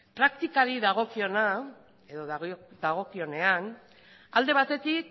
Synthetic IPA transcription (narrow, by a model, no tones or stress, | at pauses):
pɾakt̪ikaɾiðaɣ̞o̞kio̞na | e̞ðo̞ððaɣ̞o̞kio̞ne̞an | ald̪e̞β̞at̪e̞t̪ik